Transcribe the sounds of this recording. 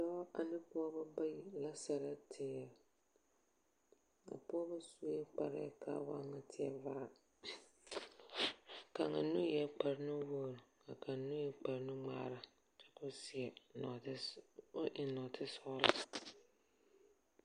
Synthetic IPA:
dɔ˦a˨nɪ˦pʊ˦ɔ˦ba˦ba˦ji˨la˦sɛ˨ɾa˦tʰɪ˨jɛ˨ | a̰˨pʊ˦ɔ˦ba˦su˨˦k͡pa̰˨ɾɪ̰˦kʰa̰˦wa̰˦ŋa˦tʰɪ˦ɛ˨vaː˦˨ | ka˨ŋa˨nu˦jɛ˦k͡pa˨ɾɪ˦nʊ˦wo˨ɾka˨kʰa˨nʊ˦jɛ˨k͡pa˨ɾnʊ˦ŋ͡ma̰ː˦˨ɾa˨ | tɪ̥˨kʊ˦si˨ɛ˨n˨˦ | ʔɪ˨nɔ˨tʰɪ˦sɔ˦la̰˦

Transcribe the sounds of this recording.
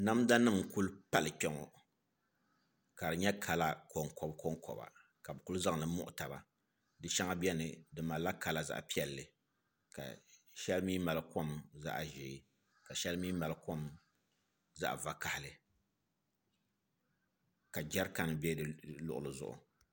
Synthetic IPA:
na˦mda˦nɨ˦˨m˨ku˦lpa˦lɨ˨k͡pɛ˦ŋɔ̰˨ | ka˨dɨ˨ɲɛ˦kʰa˨la˦ko˨ŋkɔ˦bko˦ŋkʰɔ̰˨ba̰˨ | ka˨bɨ˨ku˦lza˦ŋnɨ˦mʊ̰˦ʔʊ˨ta˨ba̰˨ | dɨ˨ʃɛ˦ŋa˦bi˦ɛ˦nɨ˨dɨ˨ma˨la˦ka˨la˦za̰˨ʔpi˦ɛ˨lːɨ˨ | ka̰˨ | ʃɛ˦lmiː˦ma˨lɨ˦ko˦mza̰˦ʔa˨ʒeː˨˦ | ka˨ʃɛ˦lmiː˦ma˨lko˦m | za̰˦ʔva˦ka˨hɪ˨lɨ˨ | ka˨d͡ʒɛ˦ɾka˦n˨bɛ˦dɨ˨lʊ̰˨ʔʊ̰˨lɨ˨zʊ̰˦ʔʊ̰˨

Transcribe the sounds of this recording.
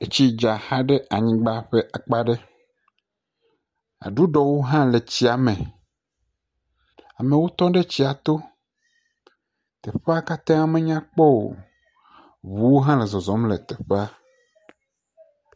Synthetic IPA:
e˦t͡ɕi˦d͡ʒa˨ha˦ɖe˦a˨ɲĩ˦ɡ͡ba˦ɸe˦ʔa˨k͡pa˦ɖe˦ | a̰˨ɖu˦ɖɔ˨wo˦ɦã˦le˨t͡ɕi˦a˨mẽ˨ | a̰˨mẽ˨wo˦t̪ɔ̃˦ɖe˦t͡ɕi˦a˨t̪o˦ | t̪ɛ˨ɸe˦a˦ka˦t̪ã˦a˨mẽ˦ɲ˦ã˦k͡pɔ˦wo̰˨ | βu˨wo˦ɦã˦le˨zɔ˨zɔ˨˦mle˨t̪ɛ˨ɸe˦a˦

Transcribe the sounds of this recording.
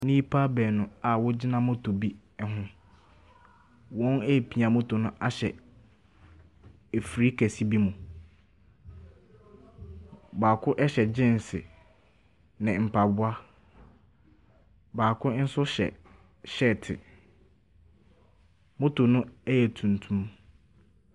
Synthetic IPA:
nĩ˦pʰa˦bɛː˨nʊ̃˨a˨wɔ˦d͡ʑɪ˦nã˦mʊ̃˦tʰo˨bi˦˨ | ɦʊ̃˦ | wɔ̃˦nɛ˦˨pʰi˨a˨mʊ̃˦tʰo˨nʊ̃˦ʔa˦ɕɛ˨ | e˨fɾi˦kʰɛ˨si˦bi˦mũ˨ | baː˨kʰʊ˦ʔɛ˦ɕɛ˨d͡ʑɪ̃˦n˨sɪ˨ | nɪ̃˨m̩˨pʰa˨bʊ˦a˦ | baː˨kʰʊ˦n̩˦sʊ˦ɕɛ̰˨ | ɕɛ˦˨tʰɪ̰˨ | mõ˦tʰo˨nʊ̃˦ɛ˦jɛ˨tʰũ˨n˨tʰũ˦m

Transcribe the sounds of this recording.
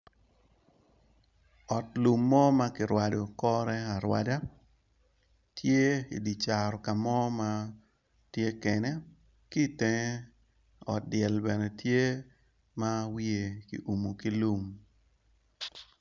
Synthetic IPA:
ɔ˨tlu˨mːɔ˦ma˦kɪ˨ɾwa˨do˨kɔ˦ɾɛ˦a˨ɾwa˨da˦ | tje˦ḭ˨di˨t͡ʃa˨ɾɔ˨ka˨mɔ˦ma˦ | tje˦kɛ˨nɛ˦ | ki˦te˨ŋ˦ | ɔ˨t̚dɪɛ˨lbɛ˨nɛ˨tje˦ | ma˦wi˦e˨kḭ˨ʔu˨mu˨ki˦lu˦m

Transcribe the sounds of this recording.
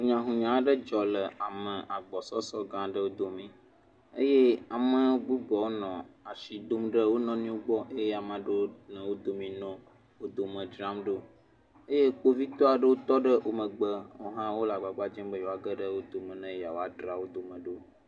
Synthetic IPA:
ɦũ˨ɲã˨ɦũ˨ɲã˨˦ɖə˦d͡ʒɔ˨lə˨a˨mə̃˨ʔa˨ɡ͡bɔ˨sɔ˦sɔ˦ɡã˨ɖə˦wo˦d̪o˨mĩ˦ | e˦je˦a˨mə̃˦wo˦ɡ͡bu˦ɡ͡bɔ˨wo˦nɔ̃˨a˨ʃi˨d̪o˦mɖə˦wo˦nɔ̃˨nĩ˦wo˦ɡ͡bɔ˦ʔe˦je˦a˨mã˨ɖə˦wo˦nə̃˨wo˦d̪o˨mĩ˨nɔ̃˦ | wo˦d̪o˨mə̃˨d͡ʒɾã˦mɖo˦ | ə˦je˦k͡po˦vi˦t̪ɔ˦a˨ɖə˦wo˦t̪ɔ˦ɖə˦ʔo˨mə̃˨ɡ͡bə˦wo̰˨ɦã˦wo˦la˨ɡ͡ba˨ɡ͡ba˦d͡ʒɛ̃˦mbə˦jo˨a˨ɡə˦ɖə˦wo˦d̪o˨mə̃˨nə̃˦ja˨wo˦a˨ɖɾa˨wo˦d̪o˨mə̃˨ɖo˦

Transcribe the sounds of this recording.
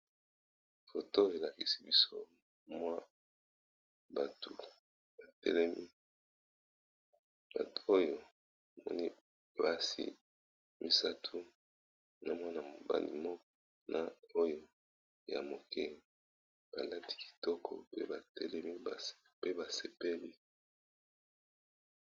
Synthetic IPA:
fo˨to˦e˨la˨ki˨si˦bi˦so˦ | mwa˦ | ba˨tu˨ | ba˨tɛ̰˦lɛ˦mi˦ | ba̰˨tu̥˨o˦jo˨ | a˨mɔ̰˦ni˦˨ | ba˦sḭ˦ | mi˨sa˦tʰu˦ | na˨mwa˦na˨mo˨ba̰˦lḭ˨mɔ˦k̚ɔ˦ | nʔa˦˨o˦jo˦ | ja̰˨mo˨kɛ˦ | b̥a˨la˦ti̥˦ki̥˨tɔ˦kʰɔ̰˨pe˦ba˨tɛ˦lɛ˦mi˦ba˨ | pe˦ba˨se˨pe˦li˦

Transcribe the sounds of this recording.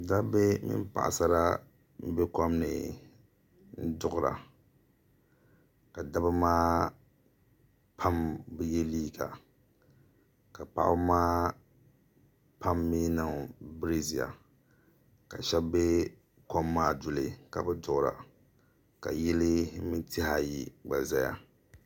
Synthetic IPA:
da˦bɛ˦mɪ̰˦m˦pa̰˨ʔa̰˨sa˦ɾa˦ | m̩˦be˦kɔ˦mnɨ̰˨ | n̩˦dʊ˦ʔʊ˦ɾa̰˨ | ka˨da˦ba˦maː˦ | pʰa˦mbɛ˦jɛ˦liː˦ɡa̰˨ | ka˨pa̰˦ʔʊ˦maː˦ | pʰa˦mːeː˦na˦˨ŋ˨bɾe˦zi˨ja̰˨ | ka˨ʃɛ˦bbe˦ | kɔ˦mːaː˦dʊ˨lɨ˨ka˨bɛ˦dʊ˦ʔʊ˨ɾa̰˨ | ka̰˨jɛ˦lɪ˦mi˦tʰɪ˦ha˨ji˨ɡ͡ba˨za˦ja̰˦

